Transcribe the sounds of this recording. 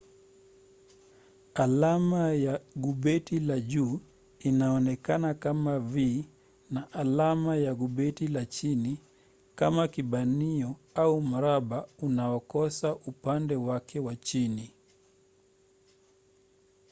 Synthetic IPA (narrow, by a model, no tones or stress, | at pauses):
alamajaɠuɓɛtilaʄuː | inaɔnɛkanakamavi | naʔalamajaɡuɓɛtilat͡ʃini | kamakiɓaniɔaum̩ɾaɓaunaɔkɔsaʔupandɛwakɛwat͡ʃini